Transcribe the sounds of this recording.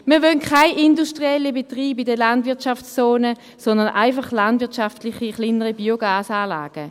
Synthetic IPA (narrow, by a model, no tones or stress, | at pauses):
miːɐʋœnkʰχaɪʔinduʃtʁiɛlibetʁiːbidəlandvɪɐtʃaft͡st͡sːoːnə | sɔndənʔaɪfaχlandvɪɐtʃaftlɪχiχlinəʁibioɡaːsaːla̰ːɡ̥ə